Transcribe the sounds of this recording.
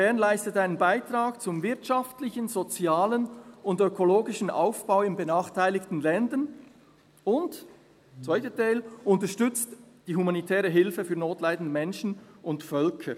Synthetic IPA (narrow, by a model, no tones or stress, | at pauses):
fɛɐnlaɪstətaɪnənbaɪtʁaːkt͡sʊmvɪɐtʃaftlɪçənzot͡sjaːlənʊndøkʰoloːɡɪʃn̩ʔa̰ʊfb̥aʊɪmbənaːχtʰaɪlɪktn̩lɛndən | ʊnt | t͡svaɪtətaɪlʔʊntəʃtʏt͡std̥iːhumanitʰɛːʁəɦɪlfəfyːɐnoːtlaɪdn̩dəmɛnʃn̩ʔʊntfœlkʰə